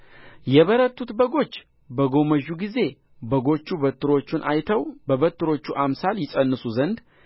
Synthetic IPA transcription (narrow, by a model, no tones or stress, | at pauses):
jɛβəɾət̪ʰːut̪bəɡo̞t͡ʃː | bəɡo̞məʒːuɡize̞ | bəɡo̞t͡ʃːubət̪ʰːɨɾo̞t͡ʃːɪnʔa̰jt̪ʰəwbəβət̪ːɨɾo̞t͡ʃːuʔamsaljɪsʼənːɨsuzənd̪